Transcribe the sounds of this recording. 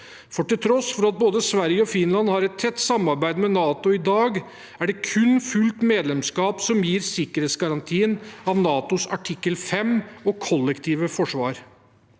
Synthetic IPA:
fɔʈɪlt̪ʰɾɔsfɔɾɑt̪̚boːd̪əsʋæɾjəɔfɪnlɑnhɑɾɛt̪̚t̪ʰːɛt̪ːsɑmːɑɾbæɪd̪mɛnɑːt̪ʊɪd̪ɑːɡ | æɖɛkʰʉnfʉlt̪meːd̪lɛmskɑːpsɔmjiːɾsɪkːəɾheːt̪sɡɑɾɑnt̪ʰiːənɑʋnɑːt̪ʊsɑʈʰɪkːəlfɛmɔkʰɔlːɛkt̪ʰiːʋəfɔʂʋɑ̰ːɾ

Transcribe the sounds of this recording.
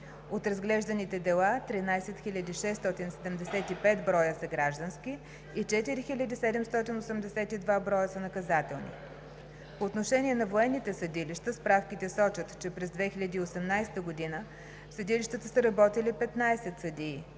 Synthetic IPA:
ot̪ɾɐzɡlɛʒd̪ɐnit̪ɛd̪ɛlˠat̪ɾinajsɛt̪xilʲəd̪iʃɛsːt̪ɔt̪insɛd̪ɛmd̪ɛsɛt̪ipɛt̪bɾɔjəsəɡɾaʒd̪ənskʲiː | t͡ʃɛt̪iɾixilʲəd̪isɛd̪ɛmst̪ɔt̪inosɛmd̪ɛsɛt̪id̪vabɾɔjəsənɐkɐzat̪ɛlˠnḭ | poːt̪noʃɛnʲiɛnɐvoɛnːit̪ɛsəd̪iliʃt̪əspɾafkʲit̪ɛsɔt͡ʃət̪t͡ʃɛpɾɛzd̪vɛxilʲɐd̪iːosɛmnajst̪əɡod̪inə | səd̪iliʃt̪ət̪əsəɾɐbɔt̪ilipɛt̪najsɛt̪səd̪iː

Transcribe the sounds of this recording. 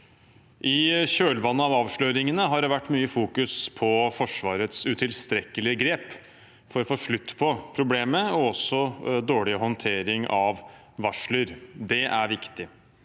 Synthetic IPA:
ʔɪɕøːlʋɑnːəɑʋɑːʋʂɭøːɾɪŋənəɦɑɖɛʋæʈːmyːəfuːkʉspʰɔfɔʂʋɑːɾət̪sʉt̪ʰɪlst̪ɾɛkːəlɪəɡɾeːp | fɔɾɔfoːʂɭʉt̪ːpʰɔpʰɾʊbleːməɔɔsːɔd̪oːɭɪɦɔnt̪ʰeːɾɪŋʔɑʋ | ʋɑʂɭəɾd̪ɛʔæɾʋɪkt̪ɪ

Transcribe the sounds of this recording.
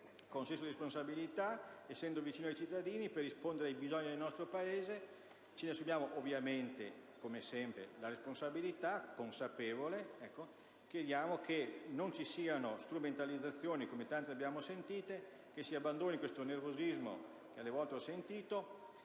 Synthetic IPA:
kounsɛnsodiɾesponsabilit̪aesːɛnd̪ovit͡ʃiːnoajt͡ʃit̪ːad̪iːniperːispond̪eɾeajbizɔɲːid̪elnɔst̪ɾopaeːze | t͡ʃenesubjaːmoʔovːjament̪ḛ | komesɛmpɾelaɾesponsabilit̪akːonsapeːvoleɛkːo | kjed̪jaːmokʰenont͡ʃisiːanost̪ɾument̪alid̪zːat̪sːjoːnikomet̪ant̪eabjaːmosent̪iːt̪e | kesiabːand̪oːnikwest̪onervozizmo̰ | kealːevɔlt̪eɔsent̪iːt̪o

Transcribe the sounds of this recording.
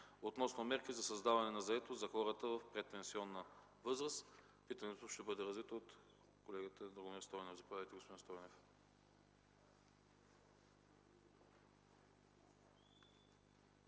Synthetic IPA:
ot̪nɔsnomɛɾkizɐsɐzd̪avɐnɛnɐzɐɛt̪ozɐkɔɾət̪əvɐfpɾɛt̪ɛnsiɔnːə | vɤzɾəs | pit̪ɐnɛt̪oʃt̪ɛbɤd̪ɛɾɐzvit̪oːt̪ | kolɛɡət̪əd̪ɾoɡomiɾst̪ɔjnofzɐpovʲad̪əjt̪ɛɡospod̪inst̪ɔjnof

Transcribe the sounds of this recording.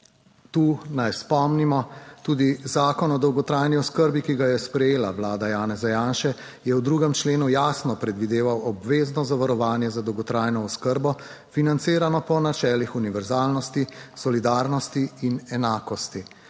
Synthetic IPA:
t̪uːnajspɔmnimɔt̪uːd̪izaːkɔnɔd̪ɔwɡɔt̪ɾaːjniɔskəɾbikiɡajɛspɾɛjeːlaʋlaːd̪ajaːnɛzajaːnʃɛ | jɛwd̪ɾuːɡɛmt͡ʃleːnujaːsnɔpɾɛd̪ʋid̪eːʋawɔbʋeːznɔzaʋaɾɔʋaːnjɛzad̪ɔwɡɔt̪ɾaːjnɔɔskəɾbɔ | finant̪siːɾanɔpɔnat͡ʃɛːlixuniʋɛɾzaːlnɔst̪isɔlid̪aːɾnɔst̪iinɛnaːkɔst̪i

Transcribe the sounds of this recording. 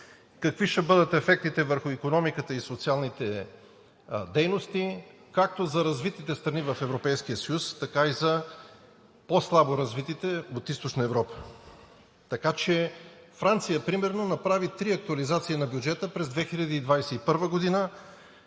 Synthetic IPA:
kɐkviʃɛbɤd̪ət̪ɛfɛk̚t̪it̪ɛvəɾxʊikonɔmikət̪əisot̪sialˠnit̪ɛ | d̪ɛjnost̪i | kak̚t̪ozɐɾɐzvit̪it̪ɛst̪ɾɐnivɐfɛvɾopɛjsk̟ijəsɐjust̪ɐkaizɐ | poslˠaboɾɐzvit̪it̪ɛot̪ist̪oʃnəɛvɾɔpə̥ | t̪ɐkat͡ʃɛ | fɾant̪sijəpɾimɛɾnonɐpɾavit̪ɾiɐk̚t̪uɐlizat̪siinɐbjud͡ʒɛt̪əpɾɛzd̪vɛxiʎʲɐd̪iːd̪vajsɛipɤɾvəɡod̪inə

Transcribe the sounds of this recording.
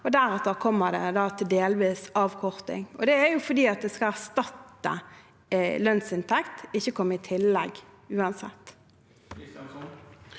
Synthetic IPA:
ɔd̪æɾɛt̪əɾkʰɔmːəd̪ɛ̰d̪ɑːt̪ʰɪld̪eːlʋiːsɑːʋkʰɔɾt̪ɪ̰ŋɔ̰d̪ɛæɾjʊfɔd̪iːɑt̪̚d̪ɛskɑlæʁst̪ɑt̪ːə̰ | lœnsɪnt̪ʰɛkt̪ɪçːəkʰɔmːəɪt̪ʰɪlːɛɡ | ʉːɑnsɛ̰t̪ː

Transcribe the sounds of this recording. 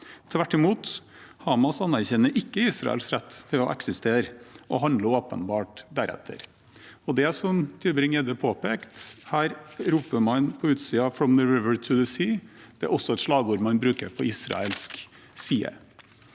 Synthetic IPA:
t̪ʰʋæʈːɪmuːt̪ | hɑːmɑsɑnːæɾçɛnːəɾʔɪkːəiːsɾɑ̰ɛ̰lsɾɛt̪ːt̪ʰːɪlɔ̰ʔɛ̰ksɪst̪eːɾʔɔ̰ɦɑnd̪ləoːpə̰nbɑːʈd̪æɾɛ̰t̪ʰːə̰ɾ | ɔd̪ɛsɔmt̪ʰyːbɾɪŋɛːd̪əpʰoːpeːkt̪hæːɾɾuːpəmɑnpʰɔʉːt̪siːɑfɾɔmd̪əɹʋɪʋəɹt̪ʰʉðəsiː | d̪̥ɛæ̰ɾɔsːɔɛt̪ʂlɑːɡuːɾmɑnbɾʉːkəɾpʰɔiːsɾɑ̰ɛlsk | siːə̰

